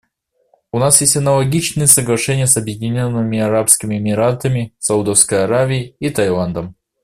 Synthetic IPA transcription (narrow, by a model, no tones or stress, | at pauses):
unasjesʲtʲɐnɐlˠɐɡʲit͡ʃnɨjəsɐɡlˠɐʂɛnʲɪjəsɐbjɪdʲɪnʲonːɨmʲɪɐɾapskʲɪmʲɪemʲɪɾat̪əmʲɪsɐud̪ɔfskəjɐɾavʲɪɪit̪ɐjlˠand̪əm